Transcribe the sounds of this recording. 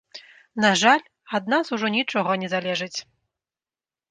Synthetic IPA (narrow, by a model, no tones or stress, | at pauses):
naʐalʲ | ad̪̚nasuʐɔnʲit͡ʂɔɣɐnʲɛzalʲɛʐɨt͡sʲ